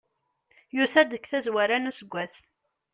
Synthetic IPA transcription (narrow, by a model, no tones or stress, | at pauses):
jusæd̪əkːθæzwæɾænusəɡʷːæθ